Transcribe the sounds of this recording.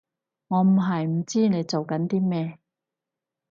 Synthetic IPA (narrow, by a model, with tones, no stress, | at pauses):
ŋɔː˨˧m̩˨˩ɦɐ˨jm̩˨˩t͡siː˥ne˨˧jt͡so˨wkɐ˨˥nt̪iː˥mɛː˥